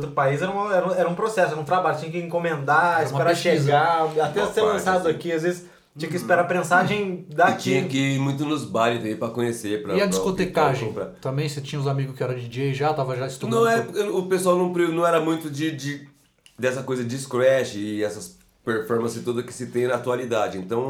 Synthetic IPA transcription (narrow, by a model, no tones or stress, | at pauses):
t̪̬ɾʊpaizɛɾɐũmɐɛɾɐũɛɾɐũpɾosɛsʊɛɾɐũt̪ɾabaʎʊt͡ʃĩɲɐkɪẽŋkõmẽnd̪aismpeɾaʃeɡaat̪ɛ̃ɐst̪ellɐ̃sad̪ʊakiazvezɪs | t͡ʃĩɲɐ̃kɪispeɾapmẽsaʒẽj̃d̪akt͡ʃĩɲɐkɪmũj̃t̪ʊnʊzbalĩt̪ɐ̃mẽpɾɐkõɲesepɾɐiɐd͡ʒiskot̪ekaʒẽpɾa̰t̪ɐ̃mbẽj̃set͡ʃĩɲɐʊzamiɡʊskɪɛɾɐd͡ʒɪd͡ʒiɐʒat̪avɐʒaist̪unɐ̃w̃ɛɐʊpesuawnɐ̃w̃pɾinɐ̃w̃ɛɾɐmũj̃t̪ʊd͡ʒɪd͡ʒɪ | d̪ɛsɐkojzɐd͡ʒisklɛʃɪɪɛsɐs | peɾfɔɾmɐ̃sɪt̪od̪ɐkɪ̥sɪt̪ẽj̃nɐat̪ualid̪ad͡ʒɪẽnt̪ɐ̃w̃